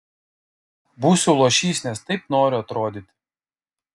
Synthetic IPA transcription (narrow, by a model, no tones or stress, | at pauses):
busʲuːlˠoːʃʲiːsʲnʲɛst̪ɐɪpnoːɾʲʊɐt̪ɾoːd̪ʲɪt̪ʲ